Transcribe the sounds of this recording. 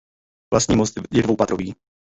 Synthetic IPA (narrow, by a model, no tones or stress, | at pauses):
vlast̪ɲiːmost̪jɛdvowpat̪ɾoviː